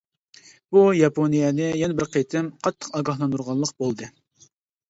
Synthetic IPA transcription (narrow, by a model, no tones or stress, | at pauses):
b̥ujɑponijɛnɪjɛnɛbɪɾqʰet̪ʰɪmqʰɑt̪ʰːə̥qɑɡɑɦlˠɑnd̪uɾʁɑnlˠəq̚bolˠd̪ɨ